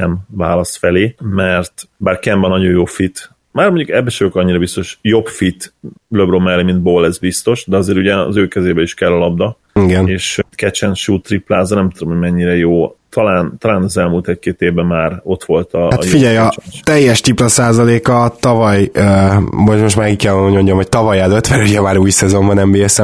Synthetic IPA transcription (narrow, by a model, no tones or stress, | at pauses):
ɛmvaːlɒsfɛleːmɛrt̪baːrkɛmbɛnɒɟo̞joːfit̪ | maːrmoɲɟukɛbːɛʃɛøkɒɲːiɾɒbist̪o̞ʃjo̞bfit̪løbromɛlːimind̪̚boːlːɛzbist̪o̞ʃd̪ɛɒzeːɾuɟɛɒ̰zøːkɛzeːbɛiʃkɛlːɒlɒb̚d̪ɒ | iɡɛneːʃkɛt͡ʃɛnʃuːt̪riplaːzɒnɛmt̪ud̪omhoɟmɛɲːiɾɛjoːt̪ʰɒlaːnt̪ɒlaːnɒzɛlmuːlt̪ɛckeːt̪eːvbɛmːaːɾo̞t̪ʋo̞lt̪ɒhat̪jfiɟɛjɒt̪ɛjːɛʃt̪iplɒsaːzɒleːkɒt̪ɒvɒj | momoʃt̪maːkickːɛloɲmoɲɟomɦoc̚t̪ɒvɒjad̪ot̪mɛɾuɟɛmaːɾuːjsɛzo̞mbɒnɛmbiːɛsɛm